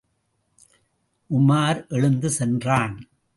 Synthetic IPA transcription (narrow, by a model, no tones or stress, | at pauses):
ʔʊmaːɾʔɛɻɯnd̪ɯsɛndraːn